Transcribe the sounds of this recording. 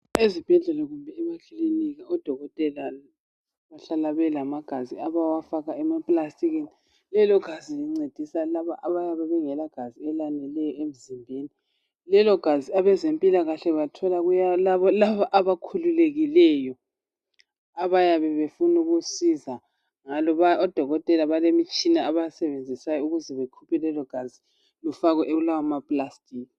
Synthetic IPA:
ezib̥ʱɛɮɛlaɣumbʱɛɛβakʰliniɣaɔd̥ʱɔɣɔtʼɛla | βaɬalaβɛlamaɡ̥ʱaziaβawafaɣaɛmapʼlastʼiɣini | lɛlɔɡ̥ʱaziliŋ͡ǀed̥ʱisalaβaʔaβajaβɛβɛŋɛlaɡ̥ʱaziɛlanɛlɛjɔem̩zimbʱeːni | lɛlɔɡ̥ʱaziaβɛzempʼilaɣaɬɛβatʰɔlaɣujalaβɔlaβaʔaβakʰululeɣilɛːjɔ | aβajaβɛβefunuɣusiza | ŋalɔβaɔd̥ʱɔɣɔtʼɛlaβalemit͡ʃʼinaaβajasɛβend͡zʱisajɔuɣuzɛβekʰupʰɛlɛlɔɡ̥ʱazi | lufaɣɛʔeulawamapʼlastʰʼiːk̚ʼi

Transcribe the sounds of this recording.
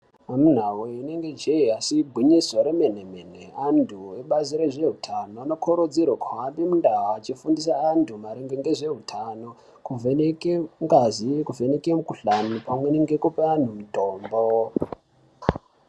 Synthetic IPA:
amun̤aweineŋɡe̞d͡ʒeiasiɡʱwiɲisoɾemen̤emen̤eandʰueɓaziɾeʐe̞ɦutʰanoano̞kʰoɾod͡ziɾwokʰawambimundaɦaːt͡ʃifundisaːntʰumaɾeŋɡeŋɡe̞ʐe̞ɦutʰano̞ | kuvenekeŋɡazikuve̞nekemukuɬanupamwe̞neŋɡe̞kupean̤umitoːmbo

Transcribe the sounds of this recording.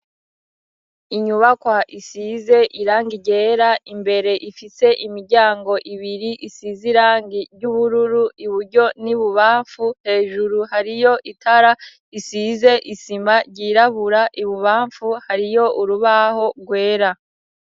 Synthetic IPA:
iɲuβakwaʔisize̞ʔiɾaːŋɡiɟe̞ːɾaʔimbe̞ɾe̞ʔifise̞ʔimiɾɟaːŋɡo̞ʔiβiɾiʔisiziɾaːŋɡiɾɟuβuɾuɾuiβuɾɟo̞niβuβaːɱfuhe̞ːʒuɾuhaɾijo̞ʔitʰaɾa | isize̞ʔisimaɾɟiɾaβuɾaʔiβuβaːɱfuhaɾijo̞ʔuɾuβaho̞ɡwe̞ːɾa

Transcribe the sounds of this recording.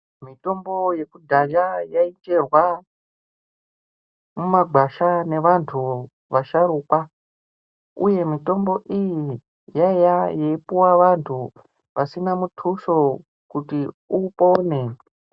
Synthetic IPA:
mito̞mbo̞je̞kudʱad͡ʒajaind͡ʒe̞rwa | mumaɡʱaʃane̞ʋantʰu | ʋaʃaɾuːkwa | uje̞mito̞mbo̞ʔiji | jaejajeipuwaʋantʰu | pasinamutʰuʃo̞ | kuti | upo̞ne

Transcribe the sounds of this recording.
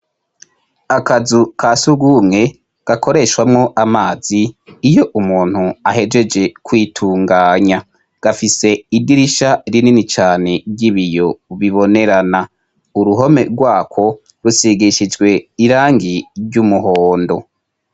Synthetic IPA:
akazukʰaːsuɡumŋe̞ | ɡ̥ako̞ɾe̞ʃwamŋo̞ʔamaːz̥iːjo̞ʔumuːn̥huaɦe̞d͡ʒe̞d͡ʒe̞kwiːtʰuːŋɡaːɲa | ɡ̥afise̞idiɾiʃaɾininit͡ʃaːne̞ɟiβijo̞βiβo̞ne̞ɾana | uɾuɦo̞me̞̰ɾɡwaːkʰo̞ | ɾusiɡiʃid͡ʒɡwe̞iɾaːŋɡiɾɟumuɦo̞ːndo̞

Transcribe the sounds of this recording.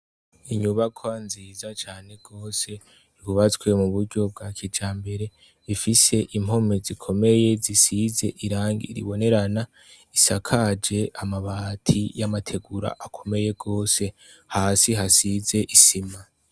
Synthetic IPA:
iɲuβakʰoanziːzat͡ʃaːne̞ɡ̥o̞ːse̞ | iβuβat͡skwe̞muβuɾɟo̞b̚ɡakʰid͡ʒaːmbe̞ɾe̞ | ifise̞ʔim̥ho̞mizikʰo̞me̞je̞zisize̞ʔiɾaːŋɡḭɾḭβo̞ne̞ɾana | isakʰad͡ʒe̞ʔamaβatʰijamatʰe̞ɡuɾa̰ʔakʰo̞me̞je̞ɡo̞ːse̞ | haːsiɦasize̞ʔisima

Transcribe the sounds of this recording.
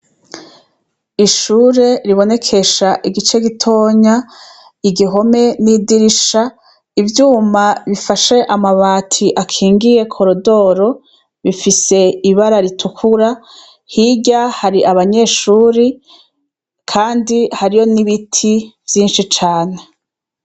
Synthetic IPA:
iʃuːɾe̞ɾiβo̞ne̞kʰe̞ʃaʔiɡit͡ʃe̞ɡitʰo̞ːɲa | iɡiɦo̞me̞nidiɾiʃa | ivjuːmaβifaʃe̞ʔamaβaːtʰiʔakʰiːŋɡije̞kʰo̞ɾodo̞ɾo̞ | βifise̞iβaɾaɾitʰukʰuɾa | hiɟahaɾiʔaβaɲe̞ːʃuːɾi | kʰaːndihaɾijo̞niβitʰiv̥jiːnʃit͡ʃaːne̞

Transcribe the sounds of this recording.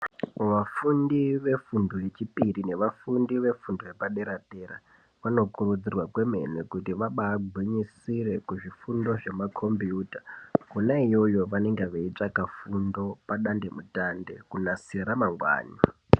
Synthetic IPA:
ʋafundiʋe̞fundoje̞t͡ʃipirine̞ʋafundiʋe̞fundoje̞paɗe̞ɾateːɾa̰ | ʋano̞kurud͡zirwakwe̞me̞̰nekutiʋaɓaːbʱwiɲisiɾe̞kuʐifundo̞ʐe̞makʰo̞mbiuːtakunaijo̞jo̞ʋane̞ŋɡeʋeit͡ʂakafundo̞paɗande̞mutande̞kunasiɾamaŋɡwa̰ːɲa

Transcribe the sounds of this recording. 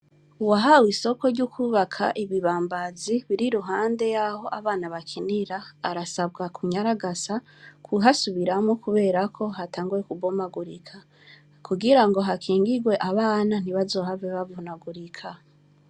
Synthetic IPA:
uwaɦawiso̞ko̞ɾɟukʰuβakʰa̰ʔiβiβaːmbaziβiɾiɾuɦaːnde̞jaho̞ʔaβaːnaβakʰiniɾaːɾasabɡakʰuɲaɾaɡasa | kuɦasuβiɾamŋokuβe̞ːɾakʰo̞ɦataːŋɡuɾe̞kuɡomaɡuɾikʰa | kuɡiɾaŋɡo̞ɦakʰiːŋɡiɡwe̞ʔaβaːnan̥iβazo̞ɦaveβavonaɡuɾikʰa

